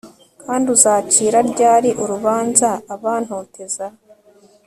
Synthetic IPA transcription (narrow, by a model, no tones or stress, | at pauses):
kʰaːnduzaːciːɾaɾɟaːɾiʔuɾuβaːnzaːβaːn̥hoːteza